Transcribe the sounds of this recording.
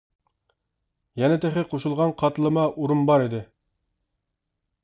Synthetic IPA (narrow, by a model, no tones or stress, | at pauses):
jɛnɪt̪ʰeχɪqʰoʃulˠʁɑnqʰɑt̪lˠəmɑʔuɾumbɑɾid̪ɪ